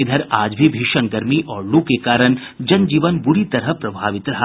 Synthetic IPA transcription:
ɪd̪ʱəɾaːd͡ʒbʱibʱiʃənɡɐɾmiʔɔːɾlukekaːɾən | d͡ʒɐnd͡ʒiːʋənbʊɾit̪ɐɾəɦpɾɐbʱaːʋɪt̪ɾɐɦa

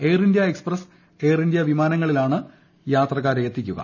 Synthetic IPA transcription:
ejrindjɐeksprɐs | e̞ːrindjɐʋimaːnɐŋːɐɭilaːɳɨ | jaːt̪rɐkːaːɾeet̪ːikʲːuɣɐ̰

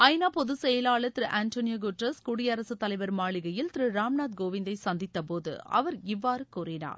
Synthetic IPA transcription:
ɐɪnaːpɔðɯsɛjɐlaːɭɐt̪ɪɾɯʔaːnt̪oːnɪjɐɡʊʈɾɐskʊɽɪjɐɾɐsɯt̪ːɐlɐɪʋɐɾmaːɭɪɣɐjɪlt̪ɪɾɯɾaːmnaːt̪ɡoːʋɪnd̪ɐɪsɐnd̪ɪt̪ːɐpoːðɯ̰ɐ̰ʋɐɾɪʋːaːɾɯkuːrɪna̰ːɾ

